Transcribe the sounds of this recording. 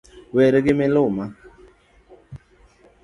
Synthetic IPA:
wɛɾeɡɪmɪloma

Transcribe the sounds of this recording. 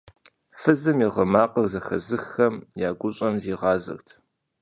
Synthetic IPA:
fɨzɨmiʁɐmaːqəɣzɐxɐzɨxːɐmjaːɡʷʊɕʼɐmziːʁɑːzɐ̰xtʰ

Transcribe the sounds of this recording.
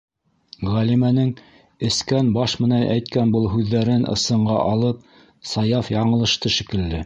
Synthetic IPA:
ʁælimænɘŋ | ɘ̆skænbɑʃmɘ̆nænʔæ̰jt̪̚kænbɤlˠɦʉðːæɾɘnʔɤ̰̆sɤ̆ɴɢɑ̰ʔɑlˠɤp̚ | sɑjɑfjɑɴɤ̆lˠɤ̆ʃt̪ɤʃɘ̆kɘ̆ld̪ɘ

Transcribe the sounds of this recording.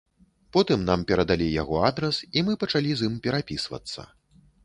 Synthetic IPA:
pɔt̪ɨmnampʲɛɾɐd̪alʲija̰ɣɔad̪ɾɛsimɨpɐt͡ʂalʲizimpʲɛɾapʲisvɐ̰t̪sːɐ̰

